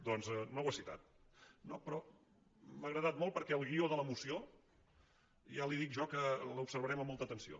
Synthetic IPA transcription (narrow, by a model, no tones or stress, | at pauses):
d̪ɔnzɛnowəsit̪a̰t̪̚ | nopɾɔ | məɣɾəðat̪̚molˠpəɾkɛəlˠɣioðələmusio | ʒaliðikʒɔkələupsəɾβəɾɛməmːolˠt̪ət̪ənsio̰